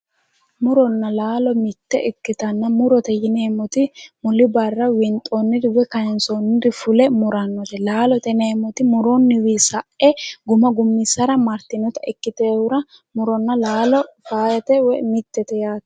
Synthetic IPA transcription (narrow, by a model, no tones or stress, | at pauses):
mʊɾɔnːɐlaːlɔmɪt̪ːɛʔɛkːɪt̪ɐnːɐmʊɾɔt̪ɛjɪneːmɔt̪ɪmʊlɪbɐrːɐwɪnt̪ʼːonːɪd̪ɪwɛkɐjɛnsonːɪd̪ɪfʊlɛmʊɾɐnːɔt̪ɛlaːlɔt̪ɛneːmɔt̪ɪmʊɾonːɪwiːsɐʔɛɡʊmɐɡʊmːɪsɐɾɐmɐɾt̪ːɪnɔt̪ɐʔɛkːɪt̪eːwʊɾɐ | mʊɾɔnːɐlaːlɔfaːjɐt̪ɛwɛmɪt̪ːɛt̪ɛjaːt̪